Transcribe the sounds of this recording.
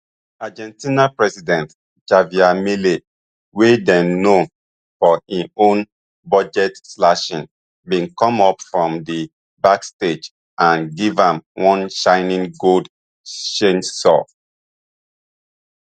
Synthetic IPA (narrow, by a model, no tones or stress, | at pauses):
ad͡ʒɛ̃ntĩnapɹɛsidɛ̃nt | d͡ʒaviamile | wedɛ̃nːõ | fɔĩõn | bɔd͡ʒɛtslaʃĩn | bĩnkɔ̃mɔpfɹɔ̃mdi | baksted͡ʒ | ʔãnɡivãmwɔ̃nʃãɪnĩŋɡold | ʃẽnsɔ̰